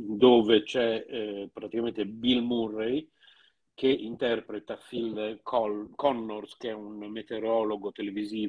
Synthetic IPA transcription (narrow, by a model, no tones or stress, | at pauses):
d̪oːvet͡ʃɛpɾat̪ikamẽnt̪ebilmurej | keʔint̪ɛrpɾet̪afilkkɔnːorskeɛunmet̪eɾɔloɡot̪eleviziːv